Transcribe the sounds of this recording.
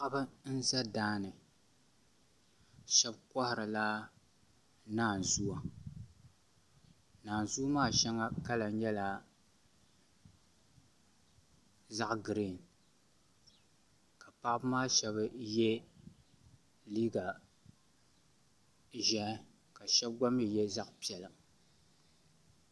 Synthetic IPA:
ʔbɨ˦n̩˦za˦daː˦nɨ˨ | ʃɛ˦bka˦hɪ˨ɾɨ˨la˦ | naː˦˨n˨zu˦a˨ | naː˨nzu˦maː˦˨ʃɛ˦ŋa˦ka˦la˨ɲɛ˦la˨ | za˦ʔɡɨ˨ɾi˦˨n | ka˨pa˦ʔbmaː˦ʃɛ˦bɨ˦jɛ˦ | liː˦ɡa˨ | ʒɛ˦ | ka˨ʃɛ˦b̚ɡa˦mi˦jɛ˦za˦ʔpi˨ɛ˨lɨ˨

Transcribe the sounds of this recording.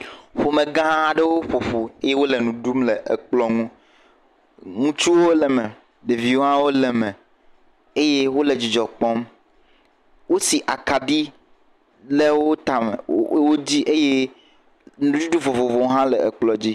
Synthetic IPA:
ɸo˨mẽ˨ɡã˦ɦã˦ã˦ɖe˦wo˦ɸo˨ɸo˨e˦je˦wo˦lɛ˨nũ˨ɖu˦mlɛ˨ʔe˨k͡plɔ˦ŋũ˦ | ŋũ˦t͡ʃu˦wo˦lɛ˨mɛ̃˨ | ɖe˨vi˨wo˦a˦wo˦lɛ˨mɛ̃˨ | e˦je˦wo˦le˨d͡ʑi˨d͡ʒɔ˨k͡pɔ˦m | wo˦si˨ʔa˨ka˨ɖi˦ | le˦wo˦t̪a˨mḛ˨˦wo˦d͡ʑi˦ʔe˦je˦ | nũ˨˦d͡ʒu˦ɖu˦vo˨vo˨vo˨wo˦ɦã˦lɛ̰˨ɛ̰˨k͡plɔ˦d͡ʑi˦

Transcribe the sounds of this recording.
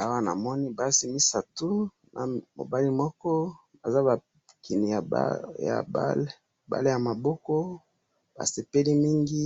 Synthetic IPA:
a˦wa˦na̰˨mɔ˦ni˦ba˦si˦mi˦sa˨tu˦ | nʔa̰˨mo̰˨ba˦li˦mɔ˦kɔ˦ | ba̰˨za˦ba˨ | kʰi˨ni˨ja̰˨ja̰˨ba̰˦le˦ | ba̰˦le˦ja˨ma˨bɔ˦kɔ˦ | ba̰˨se˨pe˦li˦mi˦ŋɡi˦

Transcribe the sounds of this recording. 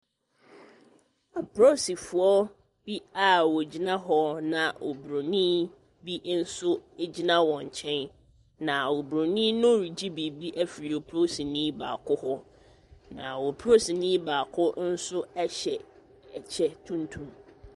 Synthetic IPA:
a˨pʰɾo˦si˨fʊ˨ɔ˦ | b̥i˦a˨wo˨d͡ʑi˦nã˦ɦɔ˦nã˨ʔo˨bɾo˨nĩ˦ | bi˦n̩˦sʊ˦e˦d͡ʑi˦nã˦wɔ̃˨ɲ˨t͡ɕʰɛ̃˦n | nã˨o˨bɾo˨nĩ˦nʊ̃˦ɾi˨d͡ʑi˦bi˨bi˦ʔæ˦fi˨ɾi˨o˨pʰɾo˦si˨nĩ˦ba̰ː˨kʰʊ˦hɔ˦ | nã̰˨wo˨pʰɾo˦si˨nĩ˦baː˨kʰʊ˦n̩˦sʊ˦ɛ˦ɕɛ˨ | t͡ɕʰɛ˦tʰũ˦ntʰũ˦m

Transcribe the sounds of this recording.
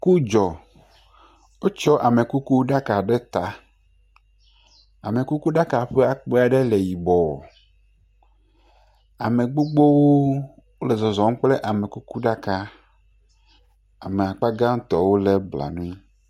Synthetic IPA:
ku˦d͡ʒɔ˨ | wo˦t͡ʃɔ˦ʔa˨me˨ku˦ku˦ɖa˦ka˨ɖe˦t̪a˨ | a˨me˨ku˦ku˦ɖa˦ka˨ɸe˦a˦k͡pe˦a˨ɖe˦le˨ji˨bɔ˨ | a˨me˨ɡ͡bo˦ɡ͡bo˦wo˦ | wo˦le˨zɔ˨zɔ˨˦m˦k͡ple˦ʔa˨me˨ku˦ku˦ɖa˦ka˦ | a˨me˨a˨k͡pa˦ɡa˦ŋ̩˦t̪ɔ˨wo˦le˦bla̰˨nũ˦

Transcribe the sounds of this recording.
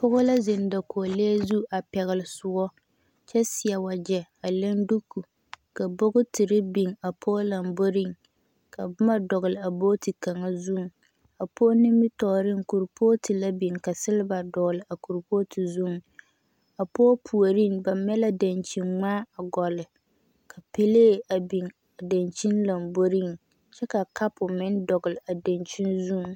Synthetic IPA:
pʊ˦ɣʊ˦la˦zɪ˨n˨da˨ko˨leː˦zu˦ʔa˨pɛ˨ɣɪ˨lɪ˨sʊ˦ɡɔ˦ | t͡ʃɛ˦sɪ˨a˨wa˨d͡ʒɛ˨a˨le˦ndu˦kʰːu˨ | ka˨bo˦ɡʊ˦tɪ˨ɾɪ˦bi˨ŋa˨pʰoː˦la˨mbo˦ɾi˦˨ŋ | ka˨bʊ˦ma˦dɔ˨ɣʊ˨lɪ˨a˨bo˦ti˨ka˨ŋa˦zu˦˨ŋ˨ | a˨poː˦nɪ˦mɪ˦tɔ˨ɾɪ˦ŋku˨ɾpʰo˦tʰi˨la˦bi˨ŋka˨sɪ˦lɪ˦ba˨dɔ˨ɡlɪ˨ʔa˨ku˨ɾpo˦tʰi˨zu˦˨ŋ˨ | a˨poː˦pʰu˨o˨ɾi˦ŋba˨mɛ˦la˦da˨nt͡ʃi˨ŋ͡maː˦a˨ɡɔ˨lɪ˨ | kʰa˨pe˦leː˦˨a˨bi˨ŋ | a˨da˨nt͡ʃi˦nla˨mbo˦ɾi˦˨ŋ | t͡ʃɛ˦ka˨ka˦pʊ˨mɪ˦ndɔ˨ɡɪ˨lɪ˨a˨da˨nt͡ʃi˦nzu˦˨ŋ˨

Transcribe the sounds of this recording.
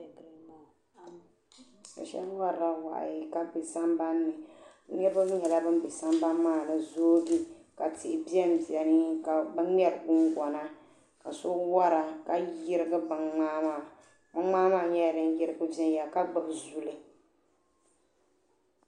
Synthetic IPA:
ka˨ʃɛ̰˦lwa˦a˦wa̰˨ʔji˨ka˦bɨ˨sa˦mba˦nːɨ˨˦ɲɛ˦bɨ˦m˦ɲɛ˨la˦bɨ˦m˦bɨ˨sa˦mba˦mmaː˦˨nɨ˨zoː˦ɡi˦ka˨tɪ˨ʔɪ˨bi˦ɛ˦m˦bi˨ɛ˨nɨ˦ka˨bɨ˦ɛ˦ɾɨ˨ɡʊ˦ŋɡɔ˨na˦ | ka˨so˦wa˦ɾa˨ka˦jɪ˦ɾɨ˦ɡɨ˦ba˨ŋŋ͡maː˦maː˦˨ | ma˦ŋ͡maː˦maː˦˨ɲɛ˦˨dɨ˦n˦jɪ˦ɾɨ˦ɡɨ˦bɛ˦n˦ja˨ka˦ɡ͡bɨ˨bzu˨lɨ˨

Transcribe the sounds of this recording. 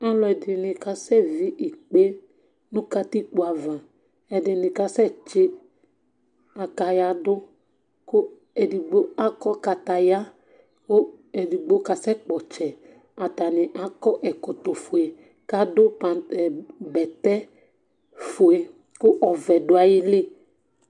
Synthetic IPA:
a˦lɔ˨ɛ˨dɪ˨nɪ̃˨ka˨sɛ˦vi˦ʔi˨k͡pe˦ | nũ˦ka˦t̪i˦k͡po˨˦a˨vã˨ | ɛ˨dɪ˨nɪ̃˨ka˦sɛ˦t͡ʃɪ˦ | a˨ka˨ja˦dʊ˦ | kʊ˦ | e˨di˨ɡ͡bo˦a˦kɔ˦ka˨t̪a˨ja˦ | ko˦ | e˨di˨ɡ͡bo˦ka˨sɛ˦k͡pɔ˨t͡ʃɛ˨ | a˨ta˨nɪ̃˨ʔa˨kɔ˦ʔɛ˨kɔ˨t̪o˨fo˨e˨ | ka˦dʊ˦pa˨ | bɛ˨t̪ɛ˦ | fo˨e˨ | kʊ˦ʔɔ˨vɛ˨dʊ˦a˨jɪ˦lɪ˦

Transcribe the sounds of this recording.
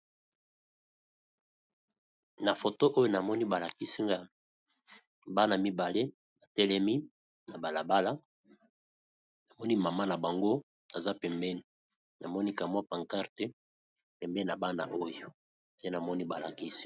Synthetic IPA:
na˨fo˨to˦ʔo˦jo˦na˨mɔ˦ni˦ba˨la˨ki˦si˦ŋɡa˦ | ba˦na˨mi˦ba˨le˦ | ba˨tɛ˦lɛ˦mi˦ | na˨ba˨la˨ba˦la˦ | na˨mɔ˦ni˦ma˨ma˦na˨ba˨ŋɡo˦ | na˨za˦pɛ˨mbɛ˦ni˨ | na˨mɔ˦ni˦ka˨mwa˦pa˨ŋka˦ʁte˦ | pɛ˨mbɛ˦i˨na˨ba˦na̰˨ʔo˦jo˨ | je˦na˨mɔ˦ni˦ba˨la̰˨ki˦si̥˦

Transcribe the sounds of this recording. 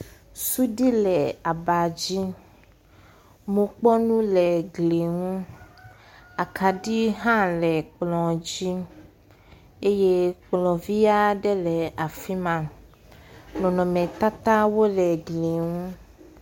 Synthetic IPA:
su˦ɖi˦lɛ˨a˨ba˨d͡ʑi˦ | mũ˨k͡pɔ˦nũ˦lɛ˨ɡle˨ŋũ˦ | a˨kʰa˨ɖi˦ɦã˦lɛ˨k͡plɔ̃˨d͡ʑi˦ | e˦je˦k͡plɔ̃˨vi˦a˦ɖɛ˦lɛ˨a˨fi˦mã˨ | nɔ̃˨nɔ̃˨mɛ̃˨t̪a˦t̪a˦wo˦lɛ˨ɡle˨ŋũ˦

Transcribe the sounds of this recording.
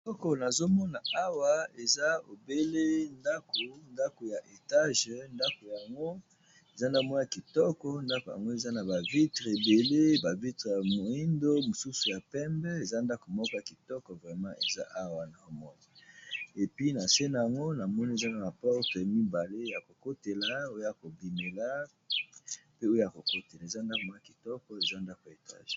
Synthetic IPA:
ɔ˦kɔ˨na˨zo˦mɔ˦na˨a˦wa˨e˨za˦o˨be˦le˦nda˦ko˨nda˦ko˨ja˨ʔe˨ta˦ʒnda˦ko˨jŋɡo˦ | e˨za˦na˨˦mɔ˦˨ja˨ki˨tɔ˦kɔ˨nda˦ko˨ja̰˨ŋɡo˦e˨za˦na˨ba˨vi˦tʁe˨be˨le˦ba˨vi˦tʁe˨ja˨mo˨i˦ndo˦mo˨su˦su˨ja˨pɛ˦mbɛ˦e˨za˦nda˦kɔ˨mɔ˦kɔ˦ja˨ki˨tɔ˦kɔ˨vʁɛ˨mɑ̃˦e˨za˦ʔa˦wa˨na˨o˦mɔ˦n˨e˨pɥi˦na˨se˦na˨ja˨ŋɡo˦na˨mɔ˦ni˦e˨za˦na˨ma˨pɔ˦ʁtɛ˨ja˨mi˦ba˨le˦ja˨ko˨ko˦te˨la˨o˦jo˦ja˨ko˨bi˨ne˨la˦ | pe˦o˦jo˦ja˨ko˨ko˦te˨la˨e˨za˦nda˦ko˨mɔ˦ja˨ki˨tɔ˦kɔ˦e˨za˦nda˦kɔ˨e˨ta̰˦˨ʒ

